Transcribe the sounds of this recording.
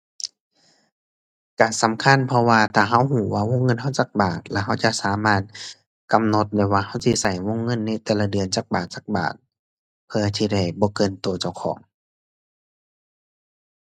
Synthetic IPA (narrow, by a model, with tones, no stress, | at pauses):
kaː˨˩nsa˨˦mkʰa˧˥˨npʰɔ˧waː˧t̪ʰaː˧˩ɦa˧˥˨whuː˧˩waː˧˨wo˧˥˨ŋːɤ˧˥˨nɦa˧˥˨wt͡ɕa˧˦k̚baː˨˩t̪̚lɛ˧ɦa˧˥˩wt͡ɕa˧˨ʔsaː˨˦maː˧˩t̪̚ | ka˧˨mno˧˦t̪̚dɛ˧˩waː˧ha˧˩˨wsi˧sa˨˩jwo˧˥˨ŋːɤ˧˥˨nːa˧˥˩t̪ɛː˧˩la˧dɯ˨˧˨ənt͡ɕaː˧˦˩k̚baː˨˩t̪̚t͡ɕaː˧˩k̚ba̰ː˨˩t̪̚ | pʰɯ˧ɐt̪ʰiː˧da˧˩jbɔː˧˦kɤː˧˨nt̪oː˧˩t͡ɕa˧˩wkʰɔ̰ː˨˩˦ŋ